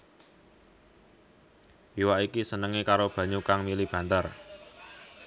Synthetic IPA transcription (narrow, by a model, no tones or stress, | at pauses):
wiwaʔikisənəŋekaɾob̥ä̤ɲukaŋmilib̥a̤nd̪ar